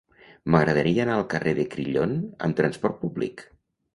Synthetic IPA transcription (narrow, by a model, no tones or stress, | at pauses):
məɣɾəðəɾiəːnaəlˠkəreðəkɾiʎonə̰mt̪ɾənspɔɾt̪̚publḭk